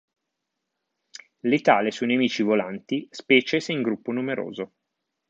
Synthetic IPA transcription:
lit̪aːlesujnemiːt͡ʃivolant̪ispɛːt͡ʃeseiŋɡɾupːonumeɾo̰ːzo

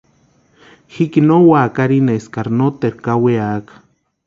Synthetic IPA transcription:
hikinowakaɾineeskaɾnot̪eɾkaweakḁ

